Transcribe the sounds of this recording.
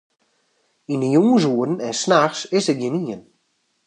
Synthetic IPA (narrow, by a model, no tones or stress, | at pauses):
indəjuŋəs̬uədn̩ɛnsnaxsɪsət̚ɡjɪniən